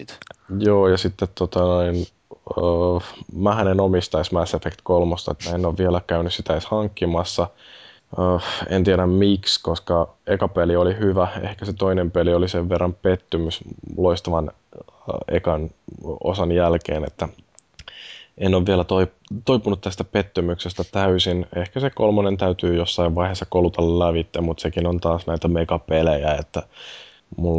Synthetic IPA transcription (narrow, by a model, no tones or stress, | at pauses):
t̪joːjɑsit̪ːet̪tot̪ɑnoin | ə | mæhænenomist̪ɑismæsefekt̪kolmost̪ɑet̪ːæenːoːʋʋielækæynyssit̪æeshɑŋkːimɑsːɑ | əːent̪ieɾæmmikskoskɑekɑpeliolihyʋæḛhkæset̪oinempelioliseʋʋerːɑmpet̪ːymysloist̪ɑʋɑn | ḛkɑno̰sɑnjælkḛːnḛt̪ːæ | ʔenːoʋʋielæt̪oi | t̪oipunut̪t̪æst̪æpet̪ːymyksest̪æt̪æysinehkæsekolmonent̪æyt̪yːjosːɑiʋʋɑihesːɑkolut̪ɑllæʋit̪ːeæmmut̪sekinont̪ɑːsnæit̪æmekɑpelejæet̪ːæ | mul